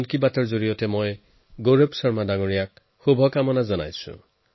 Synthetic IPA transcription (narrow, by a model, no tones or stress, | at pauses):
nkibatɔɹzoɹijɔtɛmoj | ɡoɹopsɔɹmadaŋoɹijak̚ | xubʱɔkamɔnazɔna̰jsʊ̰̃